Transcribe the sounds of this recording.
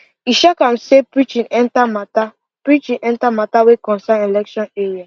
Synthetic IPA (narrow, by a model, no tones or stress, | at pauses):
iʃakãmsepɹit͡ʃĩnɛ̃ntamata | pɹit͡ʃĩnʔɛ̃ntamatawekɔ̃nsãnelɛkʃɔ̃neɹia